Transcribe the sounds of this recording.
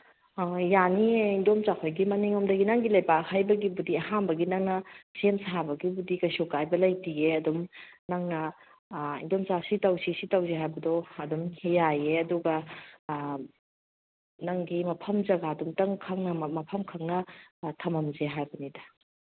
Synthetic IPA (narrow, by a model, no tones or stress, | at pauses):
janiindomt͡ʃakʰojɡimɐniŋomdɐɡinaŋɡilɐjpakhajbɐɡibudiɐɦanbɐɡinaŋnɐsemsabɐɡibudikɐjsokajbɐlɐjtieɐdumnaŋnɐ | ḭndomt͡ʃasitɐwsisitɐwzeɦajbɐdɔɐdumhejajeɐduɡɐ | naŋɡimɐpʰɐmzɐɡadumtɐŋkʰaŋnɐmɐpʰɐmkʰɐŋnɐtʰɐmɐmzeɦajbɐnidɐ